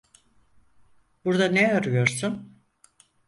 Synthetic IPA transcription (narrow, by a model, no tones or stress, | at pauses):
buɾd̪aneaɾujo̞ɾsun